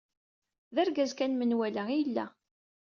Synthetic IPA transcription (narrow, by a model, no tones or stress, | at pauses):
ðæɾɡæzkænmənwæləʁijəlːæ̰